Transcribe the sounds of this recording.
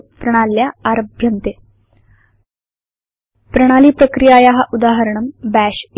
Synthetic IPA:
pɾɐɽ̃aljaːɾəbʱjɐnt̪e | pɾəɽ̃aliːpɾəkɾijajaɦaʔud̪aɦəɾəɳəmbæɕ

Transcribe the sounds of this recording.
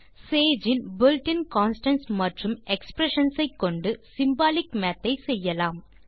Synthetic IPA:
seːd͡ʒɪnbɪlʈɪnkaːnsʈɐnsmɐʈrɯmɛkspɾɛʂɐnsɐɪkːɔɳɖɯsɪmbaːlɪkmɛːt̪ːɐɪsɛjːɐlaːm

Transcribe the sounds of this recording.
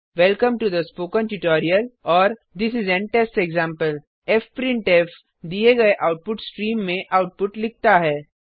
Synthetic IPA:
ʋɛlkə̃mʈud̪əspoːkə̃nʈuʈɔːɾiəlɔːɾ | d̪ɪsɪzɛ̃nʈɛsʈɛɡzãːmpəl | ɛfpɾɪ̃ɳʈɛf | d̪ieɡɐeʔaʊʈ̚pʊʈsʈɾĩːmːẽʔaʊʈ̚pʊʈlɪk̚t̪aɦɛː

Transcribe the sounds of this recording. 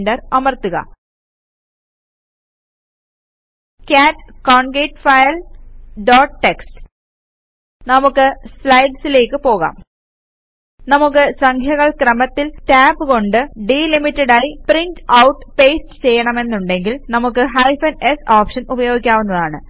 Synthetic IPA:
ndɐrɐmɐrt̪uɣɐ̰ | kaːtːkoːɳɡeːʈfɐjɐlɖoːʈʈːekstɨ̥ | nɐmukːɨslɐjɖsile̞ːkːɨpo̞ːɣa̰ːm | nɐmukːɨsɐŋkʰjɐɣɐɭkrɐmɐt̪ːiltaːbɨko̞ɳɖɨɖiːlimitːɐɽaːjiprintɐwʈːpe̞ːstɨ̥t͡ɕe̞jːɐɳɐme̞nːuɳɖe̞ŋɡilnɐmukːɨɦɐjfɐnesoːpʂɐnubɐjo̞ːɡikʲːaːʋunːɐðaːɳɨ

